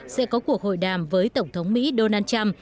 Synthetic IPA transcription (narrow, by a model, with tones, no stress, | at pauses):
sɛ̰˧˥kɔ˨˦ku˨˩ək̚ho̰˧˨jɗaː˨˩mvəː˨˦jt̪ə˧˩wŋ͡mt̪ʰə˨˦wŋ͡mmḭ˧˥ɗo˧naː˧nt͡ɕa˧m